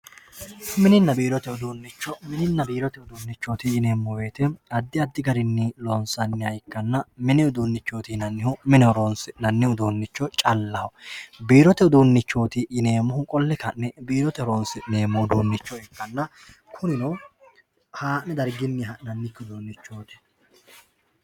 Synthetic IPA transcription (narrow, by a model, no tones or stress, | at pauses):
mɪnɪnːɐbiːɾɔt̪ɛʊd̪uːnːɪt͡ʃːɔmɪnɪnːɐbiːɾɔt̪ɛʊd̪uːnːɪt͡ʃːoːt̪iɪne̞ːmːɔbe̞ːt̪ɛɐd̪ːɪɐd̪ːɪɡɐɾɪnːɪloːnsɐnːɪɐjkːɐnːɐmɪnɛʊd̪uːnːɪt͡ʃːoːt̪inɐnːɪhʊmɪnɛɔɾonsnɐnːɪhʊd̪uːnːɪt͡ʃːɔt͡ʃʼɐlːɐhɔbiːɾɔt̪ɛʊd̪uːnːɪt͡ʃːo̞ːt̪ɪʔːneːmɔhʊkʼɔlːɛkɐnːɛbiːɾɔt̪ɛɔɾoːnsɪne̞ːmɔd̪uːnːɪt͡ʃːɔɪkːɐnːɐ | kʰʊnɪnɐw | haːnɛd̪ɐɾɡɪnːɪɐnɐnːɪkːɪʊd̪uːnːɪt͡ʃːo̞ːt̪ɪ̥